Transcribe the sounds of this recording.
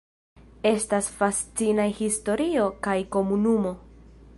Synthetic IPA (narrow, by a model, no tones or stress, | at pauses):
e̞stasfast͡sinajhisto̞ɾio̞kajko̞munumo̞